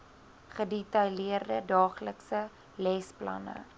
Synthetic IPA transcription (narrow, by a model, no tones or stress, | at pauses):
χədetɐjliərdədɑːχləksə | lɛsplɐ̰nə̰